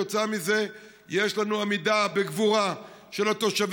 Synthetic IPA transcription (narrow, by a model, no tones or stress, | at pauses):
ot͡samize̞ | jeʃlanuamid̪abeɡvuʁa | ʃe̞lat̪o̞ʃav